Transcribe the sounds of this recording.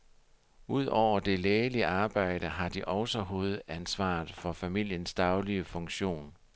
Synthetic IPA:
uð̰ˠɒʊ̰ɐd̥e̝leːliɑ̈ːb̥ɑ̈ɪ̰ɾ̥əɦɑ̈d̥iʔɒ̽ʊsɒɦo̝ːð̞̩ˠænsʋɑ̰̈ːð̩ˠfɒ̽fæmil̰jənsd̥ɑ̈ʊliəfɔ̽ŋɕo̝̰ːn

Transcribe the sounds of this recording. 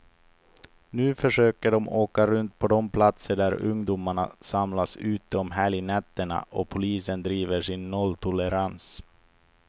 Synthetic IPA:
nʉ̟ːfœʂøːkəɖɔmoːkaɾɵnt̪pʰɔd̪ɔmpʰlat̪səɖæɾɵ̰ŋd̪uːmaɳa̰samlasʉ̟ːt̪əɔmɦæːɭɪnɛt̪ːəɳa̰ʔɔpʰʊliːsənd̪ɾiːvəʂɪnːɔlːt̪ʰʊlɛɾans

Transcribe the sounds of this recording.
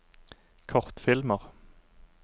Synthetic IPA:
kʰɔʁt̪fɪlməʁ

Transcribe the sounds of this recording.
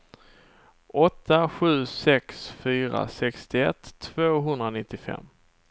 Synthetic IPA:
ʔɔt̪ʰːaɧʉ̟ːsɛksfyːɾa̰sɛkst̪ɪɛt̪ʰːv̥oːɦɵnd̪ɾanɪt̪ːɪfɛ̰mː

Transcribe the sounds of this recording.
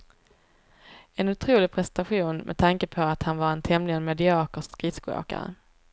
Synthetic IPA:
ɛnɵt̪ʰɾuːlɪpʰɾɛsɛnt̪aɧuːnmʔɛ̰t̪ʰaŋkəpʰɔat̪hanvaɾɛnt̪ʰɛmlɪənmɛd̪ɪɑːkəsɡɾɪskʊo̰ːka̰ɾə̰

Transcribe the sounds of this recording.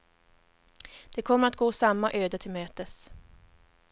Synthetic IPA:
d̪̥ɛkʰɔmːəɾat̪̚ɡoːsamːaʔøːd̪ət̪ʰɪlmøːt̪əs

